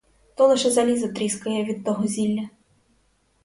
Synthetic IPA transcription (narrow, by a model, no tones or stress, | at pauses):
t̪ɔlˠɪʃɛzɐlʲizɐt̪ɾʲiskɐjɛʋʲid̪̚t̪ɔɦɔzʲilʲːɐ